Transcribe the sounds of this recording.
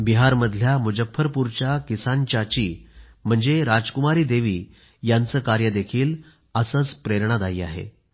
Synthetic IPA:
biɦaɾməd̪ʱljamud͡ʑəfəɾpuɾt͡ɕjakisant͡ɕat͡ɕiː | m̤əɳd͡zeɾad͡zkumaɾiːd̪eʋiː | jant͡səːkaɾjəd̪ekʰiːl | əsəːt͡spɾeɾɳ̃ad̪aiːa̰ɦḛ

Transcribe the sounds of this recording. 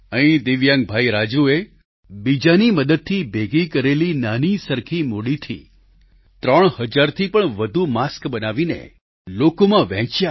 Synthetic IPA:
əɦĩd̪ɪʋjãŋɡ̚bʱaiɾad͡ʒue | bid͡ʒaniməd̪əd̪̚t̪ʰibʱeɡikəɾelinanisəɾkʰimoɽit̪ʰḭ | t̪ɾəɳ̃həd͡ʒaɾt̪ʰipəɳʋəd̪ʱumaskbənaʋinḛ | lokomãʋɛ̃t͡ʃja

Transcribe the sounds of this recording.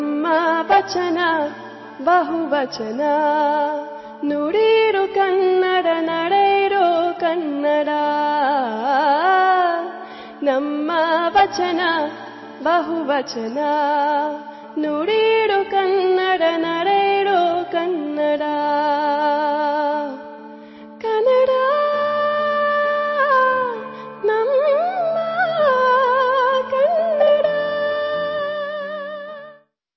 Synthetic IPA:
mːɐʋɐt͡ʃɐnɐ | bɐɦuʋɐt͡ʃɐnɐ | nuɽiɾukɐnːɐɽɐnɐɽɐjɾokɐnːɐɽa | nɐmːɐʋɐt͡ʃɐnɐ | bɐɦuʋɐt͡ʃɐnɐ | noɽiɽokɐnːɐɽɐnɐɽeɽokɐnːɐɽa | kɐnɐɽa | nɐmːɐ | kɐnːɐɽa

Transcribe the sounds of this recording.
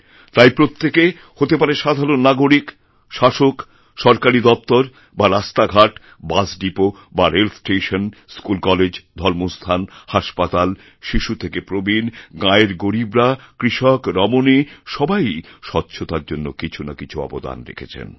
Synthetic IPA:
t̪ajpɾot̪ːeke | hot̪epaɾeʃad̪ʱaɾonːaɡoɾik | ʃaʃok | ʃɔɾkaɾid̪ɔp̚t̪oɾ | baɾast̪aɡʱaʈ | basɖipo | baɾelfsʈeʃonskulkɔled͡ʑd̪ʱɔɾmost̪ʰanhaʃpat̪al | ʃiʃut̪ʰekepɾobinɡaeɾɡoɾibɾakɾiʃɔkɾɔmoniʃɔbajʃɔtːɕʰot̪aɾd͡ʑonːokit͡ɕʰuna̰kit͡ɕʰuɔ̰pod̪a̰nɾḛkʰḛt͡ɕʰḛn

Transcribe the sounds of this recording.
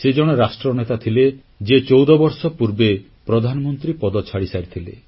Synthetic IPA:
sed͡ʒɔɽ̃eɾasʈɾɔnet̪at̪ʰile | d͡ʒet͡ʃowd̪ɔbɔɾsɔpuɾbe | pɾɔd̪ʱanɔmɔnt̪ɾipɔd̪ɔt͡ʃʰaɽisaɾit̪ʰilḛ

